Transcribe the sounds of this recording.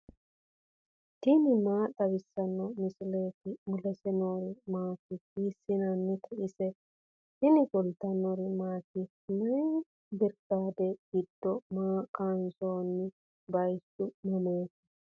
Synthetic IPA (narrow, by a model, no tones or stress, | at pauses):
t̪ɪnɪmaːd̪ɐβɪsːɐnːɔmɪsɪleːt̪ɪmʊlɛsɛnoːɾɪmaːkːɪkiːsːɪnɐnːɪk̪ʰɛʔɪsɛ | hɪnɪɡɔlt̪ɐnoɾɪmaːkːɪ | nɐj | bɪɾkːaːd̪ɛɡ̥ɪd̪̥ːɔmaːkʼaːnsoːnːɪ | bɐjsːʊmɐmoːkɛ̥